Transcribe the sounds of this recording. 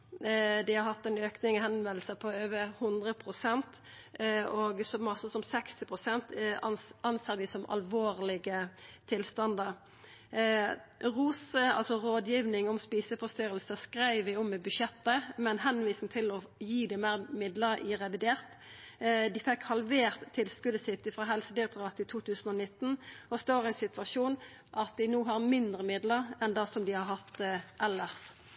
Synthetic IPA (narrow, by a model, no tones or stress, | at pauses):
d̪ɪhɑɾhɑt̪ːɛɪnøːknɪŋɔhɛnmɛlsəpʰɔøːʋəhʊnd̪ʁəpʰʁʊsɛnt̪ | oːɡsɔmːɑsəsɔmsɛkst̪ɪpʰʁʊsɛnt̪ʔɑnseːʁd̪ɪsɔmɑ̰lʋoːʁlɪɡət̪ʰɪlst̪ɑnd̪əɾ | ʁuːsəɑ̰lsɔɾoːd̪jiːʋnɪŋɔmspiːsəfɔst̪yːɾəlsəskʁæɪʋɪɔmːɛbʉʃjɛt̪ːəmɛnɦɛnʋiːsɪŋt̪ʰɪlɔ | jiːd̪ɪmæːʁmɪd̪ləɾɪɾɛʋɪd̪eːʁt̪ | d̪ɪfɛkhɑlʋeːʁt̪ʰːɪlskʉd̪əsɪt̪ːɪfʁɑːɦɛlsəd̪ɪɛk̚t̪ɔʁɑːt̪ʰːɪt̪ʰuːt̪ʰʉːsn̩ɔnɪt̪ːn̩ɔst̪oːʁæɪnsɪt̪ʋɑʃuːn | ʔɑt̪̚d̪ɪnuːɦɑʁmɪnd̪ɾəmɪd̪ləʁɛnd̪ɑsɔmd̪ɪhɑɾhɑt̪ʔɛlːəʁs